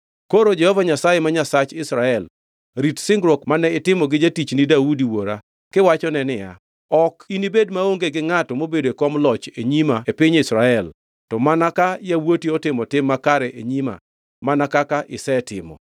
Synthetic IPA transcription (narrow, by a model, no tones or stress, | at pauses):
koɾod͡ʒɛhɔvaɲasajemaɲasat͡ʃɪsɾaɛl | ɾitsɪŋɡɾokmanɛɪtɪmɔɡɪd͡ʒetit͡ʃnɪdaudiwoɾa | kɪwat͡ʃɔnɛnɪja̰ | ɔkinibedmaoŋɡeɡɪŋatɔmobedoekɔmlɔt͡ʃeɲimaepɪɲɪsɾaɛl | tɔmanakajawotiɔtɪmɔtɪmːakaɾɛʔeɲima̰ | manakakaʔɪsɛtɪ̰mɔ̰